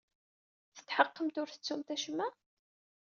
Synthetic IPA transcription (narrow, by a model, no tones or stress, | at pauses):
θə̥t̪ːħəqːəmt̪ʊɾθə̥t͡sːumt̪æʃmːæ